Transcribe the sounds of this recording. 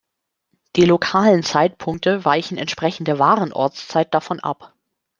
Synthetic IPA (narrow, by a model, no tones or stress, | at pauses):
d̥iːlokʰaːlənt͡saɪtpʰʊŋk̚təvaɪçn̩ɛ̰ntʃpʁ̥ɛçn̩dəvaːʁənʔɔ̰ɐt͡st͡saɪt̚d̥afɔnʔa̰p